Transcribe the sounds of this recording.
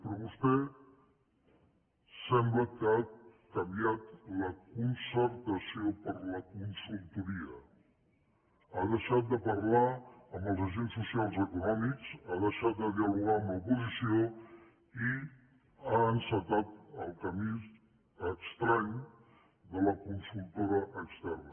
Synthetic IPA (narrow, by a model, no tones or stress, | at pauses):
pɾɔβust̪ɛ | sɛmbləkakəmbjat̪ləkunsəɾt̪əsiopəɾləkunsulˠt̪uɾiə | aðəʃat̪̚d̪əpəɾlaəmbəlˠzəʒensːusialˠzəkunɔmikz̥aðəʃat̪̚d̪əðiəluɣaməpuzisio | i | aənsət̪at̪əlˠkəmiz | əkst̪ɾaɲ | d̪ələkunsulˠt̪oɾəʔəkst̪ɛrnə